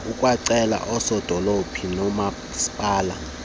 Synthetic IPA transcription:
ukʼwaǀɛla̰ʔɔsɔd̥ʱɔlopʰinɔma | si̥pʼaːla

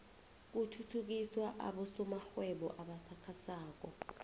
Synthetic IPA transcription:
k̬utʰutʰuk̬iswaʔa̰ɓɔsɔmaxwɛɓɔ̰ʔaɓasakʰasaːk̬ɔ

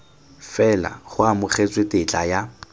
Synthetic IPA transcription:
fɛla̰χʊamʊχet͡swetʼɪt͡ɬʼaja

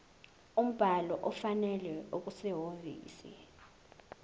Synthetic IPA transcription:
um̩b̥ʱalɔʔɔfanɛlɛuk̬usɛɦovḭːsḭ

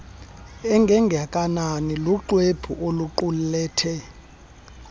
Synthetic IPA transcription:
ɛŋɡʱɛŋɡʱakʼananiluǃweb̥ʰʱuʔoluǃullɛːtʰɛ

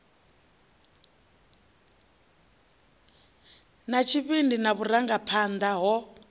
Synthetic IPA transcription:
nat͡ʃʰiβindinaβuɾaŋɡapʰand̪aɦɔ

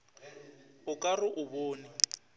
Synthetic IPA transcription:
ʊkʼarʊʔʊboːnɪ

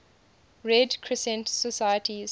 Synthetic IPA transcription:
ɹɛdkʰɹɪsɛ̃ntsəsajətʰiz̥

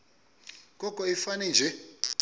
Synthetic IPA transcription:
kʼɔkʼɔifanɛnd͡ʒʱɛ

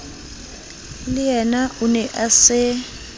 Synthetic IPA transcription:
lɪjɛnaunɛʔasɪ

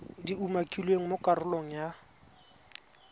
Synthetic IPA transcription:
diumakʼilweŋ̩mʊkʼarʊloŋ̩ja

